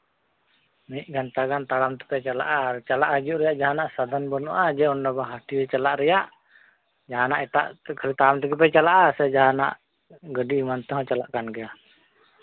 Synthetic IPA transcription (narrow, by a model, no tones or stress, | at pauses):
məiʔɡant̪aɡant̪aɽamt̪ə̥pɛt͡ʃala̰ʔaɾt͡ʃalaʔhəd͡ʒuʔɾɛjaʔd͡ʒaɦanaʔsad̪anbɔnuʔad͡ʒɛɔndabaɦat̪iɛt͡ʃalaʔɾɛjaʔ | d͡ʒaɦanaʔɛt̪a̰ʔkʰəɾit̪aɽamt̪ɛɡəp̬ɛt͡ʃalaʔasɛd͡ʒaɦana̰ʔ | ɡədiːmant̪əɦɔt͡ʃalaʔkanɡɛja